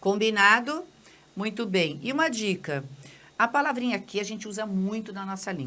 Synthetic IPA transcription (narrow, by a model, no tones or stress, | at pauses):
kõmbinad̪ʊ | mũj̃t̪ʊbẽj̃ɪũmɐd͡ʒikɐ | apalavɾĩɲɐkiaʒẽnt͡ʃɪuzɐmũj̃t̪ʊd̪ɐnɔsɐlḭ̃